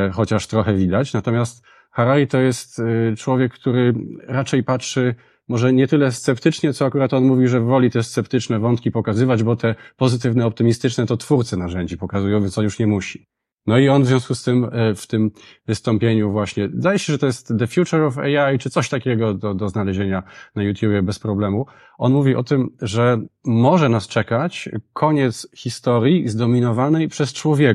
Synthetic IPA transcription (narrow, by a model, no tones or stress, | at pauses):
xɔt͡ɕaʂt̪ɾɔxɛvʲid̪at͡ɕnat̪ɔmʲjast̪ | xaɾalʲit̪ɔjɛst̪t͡ʂwɔvʲjɛkːt̪uɾɘɾat͡ʂɛjpatʂɘ | mɔʐɛɲɛt̪ɘlɛst̪sɛpt̪ɘt͡ʂɲɛt̪ɔakuɾat̪ɔnmuvʲiʐɛvvɔlʲit̪ɛst̪sɛpt̪ɘt͡ʂnɛvɔnt̪kʲipɔkazɘvad͡ʑbɔt̪ɛpɔzɘt̪ɘvnɛɔp̚t̪ɘmʲist̪ɘt͡ʂnɛt̪ɔt̪fuɾt̪sɛnaʐɛɲd͡ʑipɔkazujɔ̃w̃vʲjɛnɔnjuʂɲɛmuɕi | nɔiɔnvzʲvʲjɔ̃w̃skust̪ɘmft̪ɘmvɘst̪ɔmpʲjeɲuvwaɕɲɛd̪ajɛɕɛʐɛt̪ɔjɛst̪d̪ɛfʲjut͡ʂɛɾɔvɛ̰jajt͡ʂɨt̪sɔɕt̪akʲɛɡɔd̪ɔd̪ɔznalɛʑeɲanajut̪ʲjubʲjɛbɛspɾɔblɛmu | ʔɔnmuvʲiʔɔt̪ɘmʐɛmɔʐɛnast͡ʂɛkat͡ɕkʰɔɲɛt̪sxʲist̪ɔɾʲjizd̪ɔmʲinɔvanɛjpʂɛst͡ʂwɔvʲjɛk